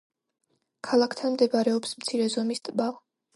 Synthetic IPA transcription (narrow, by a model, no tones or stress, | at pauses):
kʰalˠakʰt̪ʰanmd̪ɛbaɾɛɔpsmt̪sʰiɾɛzɔmist̪ʼbal